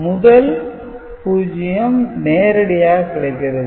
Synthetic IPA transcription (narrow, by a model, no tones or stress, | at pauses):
mʊðɐl | puːd͡ʒɪjɐmneːɾɪɽɐjaːkɪɭɐɪkːɾɐ